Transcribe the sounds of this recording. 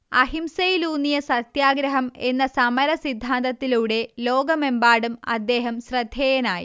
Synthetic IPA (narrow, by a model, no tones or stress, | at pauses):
ɐɦimsɐjiluːnːijɐsɐt̪jaːɡɾɐɦɐme̞nːɐsɐmɐɾɐsid̪ʱːaːnd̪ɐt̪ːiluːɽe̞lo̞ːɡɐme̞mbaːɽumɐ̰d̪ːe̞ːɦɐmsrɐd̪ʱjeːjɐnaːjḭ